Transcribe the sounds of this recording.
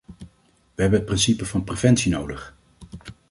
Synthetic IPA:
ʋəɦɛbənɦət̚prɪnsipəvɑnprevɛntsinowdəχ

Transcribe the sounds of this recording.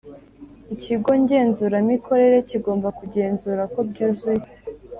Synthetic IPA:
iciɡo̞ɲɟe̞ːnzuɾanikʰo̞ɾe̞ɾe̞ciɡo̞ːmbakuɟe̞ːnzuɾako̞bɟuːzuje

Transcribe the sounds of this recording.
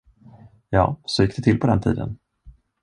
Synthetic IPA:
jɑ̰ːsɔjɪkːd̪ɛt̪ɪlːpʰɔd̪ɛnt̪ʰḭːd̪ə̰n

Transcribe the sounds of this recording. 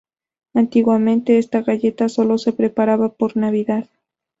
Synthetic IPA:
ant̪iɣwamẽ̞nt̪e̞est̪aɣaʝe̞t̪aso̞lo̞se̞pɾe̞paɾaβapo̞ɾnaβiðað

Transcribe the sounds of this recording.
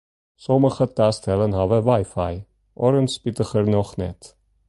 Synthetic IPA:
sɔməχət̪ːast̪ʰɛlənhavɛvajfaj | ɔɾənspit̪əχəɾniɔχnɛ̰t̪ʰ

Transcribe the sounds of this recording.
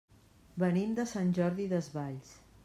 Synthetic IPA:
bənimd̪əsanʲʒɔɾðiðəzβaʎs

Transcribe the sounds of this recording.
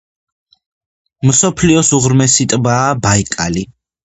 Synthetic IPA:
msɔpʰliɔsuʁɾmɛsit̪ʼbaːbaikʼali

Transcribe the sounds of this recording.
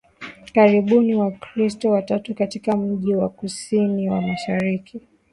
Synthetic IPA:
kaɾiɓuniwakɾistɔwatatukatikam̩ʄiwakusiniwamaʃaɾikʰi

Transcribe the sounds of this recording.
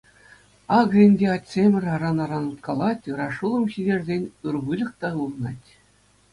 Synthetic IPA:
ɑɡɤ̆ɘ̆nʲdʲeɑt̪ʲsʲemʲɘ̆rʲɑɾɑnɑɾɑnɤ̆t̪kɑlˠɑtʲɯɾɑʂulˠɤ̆mɕidʲerʲzʲenʲɯrʋɯlʲɤ̆kt̪ɑɯlˠɤ̆nɑtʲ

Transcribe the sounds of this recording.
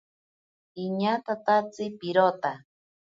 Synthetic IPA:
iɲat̪at̪at͡sɨpiɾot̪a

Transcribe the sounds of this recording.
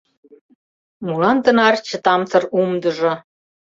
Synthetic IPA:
mulɑnd̪ə̆nɑrt͡ɕə̆t̪ɑmt͡sɤ̆rumd̪ə̆ʒɤ̆

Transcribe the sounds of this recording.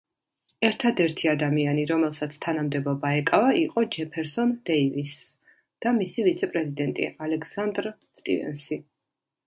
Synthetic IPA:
ɛɾt̪ʰad̪ɛɾt̪ʰiad̪amianiɾɔmɛlˠsat̪sʰt̪ʰanamd̪ɛbɔbaɛkʼavaiqʼɔd͡ʒɛpʰɛɾsɔnd̪ɛivis | d̪̥amisivit̪sʰɛpʼɾɛzid̪ɛnt̪ʼḭalɛksand̪ɾst̪ʼḭvɛ̰nsi

